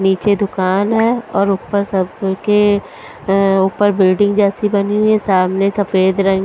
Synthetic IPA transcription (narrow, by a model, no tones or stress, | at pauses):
niːt͡ʃed̪ʊkaːnɦɛːɔːɾʊpəɾsɐbke | uːpəɾbɪlɖɪ̃ŋɡd͡ʒɛːsibɐniɦuesaːmnesɐfeːd̪ɾɐɦẽːŋ